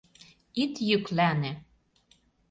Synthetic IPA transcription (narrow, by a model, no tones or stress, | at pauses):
it̪jyklænĕ